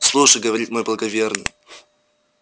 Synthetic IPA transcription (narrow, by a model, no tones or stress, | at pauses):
slˠuʂəjɡəvɐɾʲit̪mo̞jblˠəɡɐvʲernɨ̰j